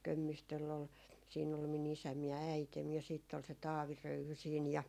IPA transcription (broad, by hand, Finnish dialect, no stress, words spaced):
kømːistølː ol siːn ol min isæm jɑ æitem jɑ siːtː ol se tɑːʋi røyhy siːn jɑ